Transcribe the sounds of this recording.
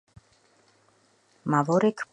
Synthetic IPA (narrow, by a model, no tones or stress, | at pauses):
mavoɾek